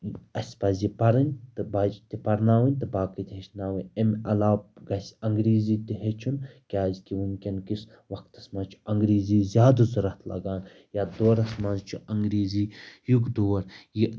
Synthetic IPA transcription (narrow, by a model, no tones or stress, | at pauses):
ɐsʲpɐzʲipɐɾɨnʲt̪ɨbaːd͡ʒt̪ipɐɾnaːwɨnʲt̪ɨbaːkɨt̪ʲɦet͡ʃʰnaːʋɨemɐ̰laːp̚ɡɐsʲɐŋɡɾiːziːt̪iɦet͡ʃʰunkʲaːzkiʋunʲkʲɐnkis | ʋɐkt̪ɐsmaːt͡ʃʰu̥ɐŋɡɾiːziːzʲaːd̪ɨzɐɾɐt̪ʰlɐ̰ɡaːn | jaːd̪oːɾɐsmaːzt͡ʃʰuɐŋɡɾiːziːjuɡd̪oːɾji